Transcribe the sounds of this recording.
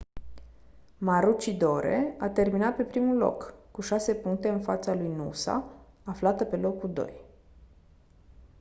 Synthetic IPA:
maɾut͡ʃid̪o̞ɾe̞̰at̪e̞rminat̪̚pe̞pɾimulo̞̰kːuʃase̞puŋk̚t̪e̞ɨnfa̰t̪salujnṵsa̰ | aflat̪əpe̞lo̞kːud̪o̞̰j

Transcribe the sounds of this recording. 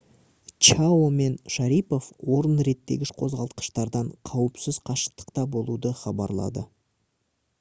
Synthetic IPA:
t͡ʃaome̞nʃaɾijpo̞fwo̞ɾənɾe̞t̪ːe̞ɡʲɪʃqʰo̞zʁɑlˠt̪qə̥ʃt̪ɑɾd̪ɑɴqʰɑwəpsɪz̥qʰɑʃə̥qt̪ə̥qt̪ɑbo̞lˠud̪əχɑbɑ̰ɾlˠɑ̰d̪ə

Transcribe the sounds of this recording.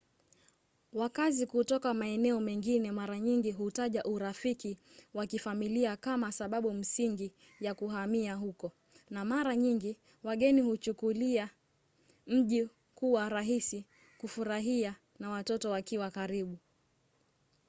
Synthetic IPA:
wakazikutɔkamaɛnɛɔmɛŋɡinɛmaɾaɲiŋɡiɦutaʄaʔuɾafiki | wakifamiliakamasaɓaɓum̩siŋɡi | jakuɦamiaɦukɔ | namaɾaɲiŋɡi | waɠɛnihut͡ʃukulia | m̩ʄi | kuwaɾaɦisi | kufuɾaɦia | nawatɔtɔwakiwakaɾiɓu

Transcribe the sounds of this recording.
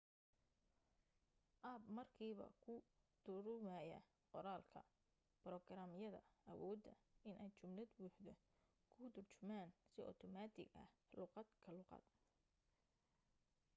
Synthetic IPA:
ʔaːbmɐrkʰiːβɐ̰kʰʊ | d̪̥ʊɾʊmɐjɐ̰ | qɔɾaːlkʰɐ̰ | b̥rɔɡɾaːmjɐðɐ̰ʔɐwɔːd̪ːɐ̰ɪnɛjt͡ʃʊmlɐd̪wuːħd̪ɔ | kʰʊd̪ʊrt͡ʃʊmaːnsɪʔɔ̰t̪ʰɔmaːd̪ɪ̰ɡɐ̰hlʊqɑd̪kʰɐlʊqɑ̰d̪̥̚

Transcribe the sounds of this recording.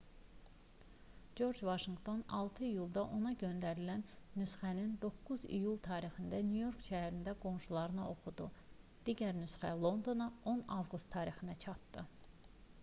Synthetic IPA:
d͡ʒo̞ɾd͡ʒvɑʃiŋɡt̪ʰo̞nɑlˠt̪ʰɯijulˠd̪ɑʔo̞nɑɟø̞nd̪æɾilænːysχænind̪o̞kːuzḭjulˠt̪ʰɑːɾixind̪ænjujo̞ɾkʃæɦæɾind̪æɡo̞mʃulˠɑɾɯnɑo̞χud̪u | d̪̥iːɟæɾnysχælˠo̞nd̪o̞nɑo̞nɑvɡust̪ʰːɑːɾixinæt͡ʃʰɑt̪ːɯ

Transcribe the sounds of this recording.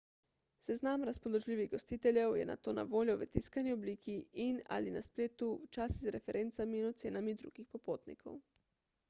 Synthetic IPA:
sɛznamɾaspɔloʒlʲiːʋiɣɡost̪iːt̪ɛlʲjɛwjɛ̰na̰t̪oːna̰ʋoːljɔʋɛt̪iskaniobliːkʰiːna̰lina̰spleːt̪uwt͡ʃaːsizɾɛfɛɾʔeːnt̪samiːnɔt̪seːnamid̪ɾṵːɡixpɔpoːt̪nḭkʰo̰w

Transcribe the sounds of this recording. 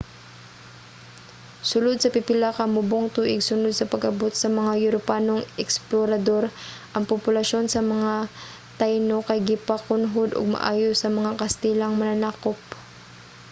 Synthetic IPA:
sʊlod̪̚sɐpɪpɪlakɐmʊboŋt̪uːʔɪɡsʊnod̪̚sɐpɐɡʔɐbot̪sɐmɐŋajʊɾopaːnoŋɛksploɾɐd̪o̞ɾʔɐŋpopʊlɐʃo̞nsɐmɐŋa | t̪ajnokɐjɡɪpɐkʊnɦod̪o̰ɡ̚mɐ̰ʔa̰ːjosːɐmɐŋakɐst̪ɛlɐŋmɐnanakop̚

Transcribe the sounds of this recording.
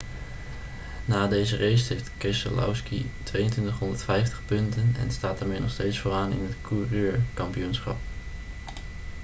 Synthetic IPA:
naːdejzərejstɦejftkrɪsə̰lʔɔ̰wskitʋejəntʋɪntəχɦɔndəɹtfɛjftə̥χpɵntənɛ̰nstaːt̚daːɹmeːnɔχstejtsfoːraːnɪ̰nɦətkʰurøːɹkɑmpijunsχɑ̰p̚

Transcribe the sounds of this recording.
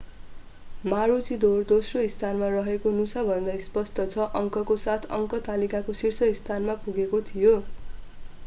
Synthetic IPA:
maɾut͡sid̪ord̪osroist̪ʰanmarʌɦekonusabʱʌnd̪ajspʌst̪ʌt͡sʰʌʔʌŋkʌkosat̪ʰʌŋkʌt̪alikakosirsʌist̪ʰanmapuɡekot̪ʰijo

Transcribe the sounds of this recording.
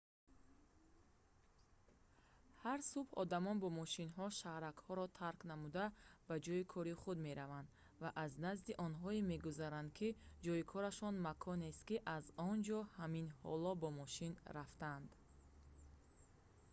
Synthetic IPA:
haɾsubhɔ̰d̪amɔnbɔmɔʃinɦɔʃahɾakhɔɾɔt̪ʰaɾknamud̪abad͡ʒɔikʰɔɾiχud̪me̞ɾavand̪ | vaʔaznazd̪iʔɔnɦɔeme̞ɡuzaɾand̪kʰid͡ʒɔikʰɔɾaʃɔnmakʰɔnest̪kiʔazɔnd͡ʒɔhaminhɔ̰lɔbɔmɔʃinɾaft̪aand̪

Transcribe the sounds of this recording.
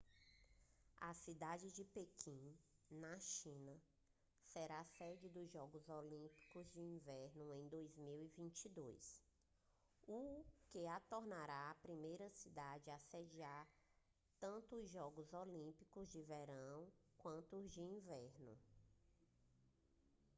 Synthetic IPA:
ɐsid̪ad͡ʒɪd͡ʒɪpekʰĩnɐʃĩnɐ | sɛɾasɛd͡ʒɪd̪ʊzʒɔɡʊzolĩpi̥kʊzd͡ʒɪĩvɛɾnʊẽj̃d̪ojzmiwivĩt͡ʃid̪ojs | ukeat̪oɾnaɾaːpɾimejɾɐsid̪ad͡ʒɪased͡ʒiaɾ | t̪ɐ̃nt̪ʊːzʒɔɡʊzolĩpikʊzd͡ʒɪveɾɐ̃w̃kwɐ̃nt̪ʊːzd͡ʒɪĩvɛɾnʊ̰

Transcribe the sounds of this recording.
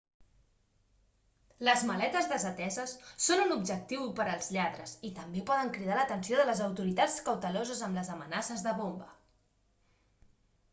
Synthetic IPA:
ləzməlɛt̪əzðəzət̪ɛzəsːonunubʒək̚t̪iwpəɾəlˠzʎaðɾəzit̪əmbepɔðəŋkɾiðalət̪ənsioðələzəwt̪uɾit̪at͡skəwt̪əlozəzəmləzəmənasəzðəβombə

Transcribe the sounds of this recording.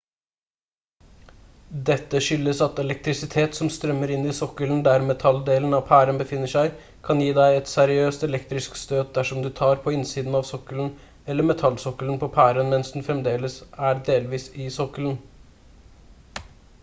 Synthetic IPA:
d̪ɛt̪ːəʂʏlːəsɑt̪ɛlɛk̚t̪ɾɪsɪt̪ʰeːt̪sɔmst̪ɾœmːəɾɪnːɪsɔkəlnd̪æɾmɛt̪ʰɑld̪eːln̩ɑʋpʰæːɾənbəfɪnːəʂæɪ | kʰɑnjiːd̪æɪɛt̪sæɾɪøːst̪ɛlɛkt̪ɾɪskst̪øːd̪̚d̪æʂɔmd̪ʉːt̪ʰɑːɾpʰɔɪnsiːd̪n̩ɑʋsɔkəln̩ | ɛlːəmɛt̪ʰɑlsɔkələnpʰɔpʰæːɾənmɛnsd̪n̩fɾɛmd̪eːləsæɖ̪eːlʋiːsɪsɔkələn̩

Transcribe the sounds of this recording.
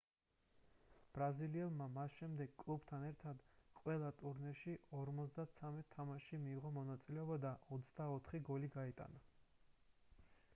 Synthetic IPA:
b̥ɾaziliɛlˠmamasʃɛmd̪ɛɡ̥kʼlˠubt̪ʰanɛɾt̪ʰad̪qʼwɛlˠat̪ʼuɾnɛʃiʔɔɾmɔzd̪at̪sʰamɛt̪̚t̪ʰːamaʃimiːʁɔmɔnat̪sʼilɛɔbad̪aɔt̪sʰd̪aɔt̪ʰχiɡɔliɡait̪ʼa̰na

